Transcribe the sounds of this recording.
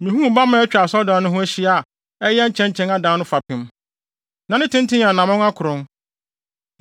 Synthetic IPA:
mĩ˨ɦũ˦m˨ba˦mã˨˦ɛ˦t͡ɕᶣa˨sɔ˦dã˨˦nʊ̃˦ɦʊ̃˦æ˦ɕi˦a˨ | ɛ˦jɛ˦ɲ̩˦t͡ɕʰɛ̃˦ɲ˦t͡ɕʰɛ̃˦na˦dã˨˦nʊ̃˦fa˨pʰɪ̃˨m | nã˨nɪ̃˦tʰɪ̃˦n˦tʰɪ̃˦ɲ˨ã˨nã˨mʊ̃˦n˦a˦kʰʊ˨ɾʊ̃˦n

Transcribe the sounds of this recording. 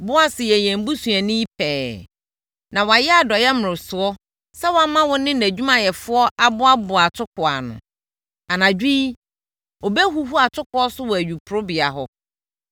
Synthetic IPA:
bʊ˦a˦sɪ˨jɛ˨jæ̃˨m˦bu˦su˨æ˨nĩ˦i˦pʰɛː˨ | nã˨wa˨jɛ˦a˨dɔ˨jɛ˦mʊ̃˨ɾɪ̃˨sʊ˨ɔ˦ | sɛ˦wã˦mã˦wʊ̃˦nɪ̃˦næ˨d͡ʑᶣu˦mã˨jɛ˨fʊ˦ɔ˦ʔa˨bʊ˦a˦bʊ˨a˨tʰʊ˦kʰʊ˨a̰˨nʊ̰̃˨ | a˨nã˨d͡ʑᶣi˦ | o˨bɛ˦ɦu˨ɦu˦a˨tʰʊ˦kʰʊ˦ɔ˦sʊ˦wɔ˨æ˨ɥᶣu˨pʰʊ˨ɾʊ˦bɪ˨a˨ɦɔ˦

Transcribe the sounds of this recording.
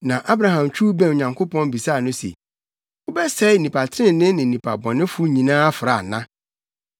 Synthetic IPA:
nã˨ʔa˦bɾa˨ɦã˨mt͡ɕʰᶣu˦bɛ̃˦˨n˨ɲã˨ŋkʰo˦pʰɔ̃˦n˦bi˨saː˦˨nʊ̃˦sḛ˨ | ʊ˦bɛ˦sɛ˦˨nĩ˨pʰa˨tʰɪ˦ɾɪ̃˦n˦nɪ̃˦nɪ̃˨nĩ˨pʰa̰˨bɔ̃˨nɪ̃˦fu˦ɲĩ˨nãː˦a˦fɾa˨nã˦

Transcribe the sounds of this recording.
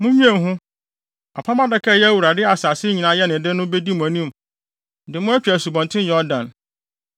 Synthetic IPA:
mʊ̃˦ɲᶣ˦ẽ˦˨ɦʊ̃˦ | a˨pʰa˦mã˦dɛ˨˦kʰɛ˦jɛ˦æ˦wu˨ɾa˨dɪ˦a˨saː˨sɪ˦ɲĩ˨nã˨˦jɛ˦nɪ̃˨dɪ˦nʊ̃˦be˦di˦mʊ̃˨æ˨nĩ˦˨m | dɪ˨mʊ̃˦æ˦t͡ɕᶣæ˨su˨bɔ̃˨ntʰɪ̃˦n˦jɛ˨˦ɔ˦dã˨n

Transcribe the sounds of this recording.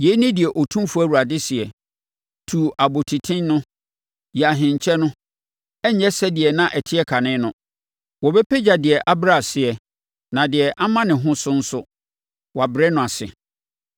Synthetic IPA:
je˦nɪ̃˦dɪ˨ɛ˨ʔo˨tʰũ˦m˦fu˦æ˦˨wu˨ɾa˨dɪ˦sɪ˨ɛ˨ | tʰu˨a˨bo˨tʰi˨tʰɪ̃˦nnʊ̃˦ | ja˨ɦɪ̃˨ɲ˨t͡ɕʰɛ˦nʊ̃˦ | ɛ˦ɲ˨ɲɛ˦sɛ˦dɪ˨ɛ˨nã˦ʔɛ˨tʰɪ˦ɛ˦kʰa˨nɪ̃˦nʊ̃˦ | wɔ˨bɛ˦pʰɛ˦d͡ʑa˨dɪ˨ɛ˨ʔa˦bɾa˨sɪ˨ɛ˨ | nã˨dɪ˨ɛ˨ʔa˦mã˦nɪ̃˨ɦʊ̃˦sʊ˦n̩˦sʊ˦ | wɔ˨a˨bɪ˨ɾɛ˦nʊ̃˨a˨sɪ̰˨

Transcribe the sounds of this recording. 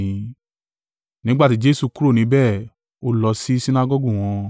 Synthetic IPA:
ĩ˨˧ | nĩ˦ɡ͡ba˦˨ti˦d͡ʒe˦su˨ku˦ɾo˦˨nĩ˨˦bɛː˦˨ | o˦lɔ˧si˦si˦na˦ɡɔ˦ɡu˦˨w̃ɔ̃˧

